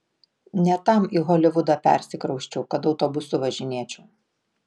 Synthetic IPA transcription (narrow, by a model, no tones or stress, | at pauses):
nʲɛt̪ɐˑmiɣɔːlʲɪʋʊd̪ɑpʲɛ̰ˑɾʲsʲɪkɾɐʊʃʲt͡ʃʲɛʊkɐt̪ɒʊt̪ɔbʊsʊʋɐʒʲɪnʲiɛt͡ʃʲuː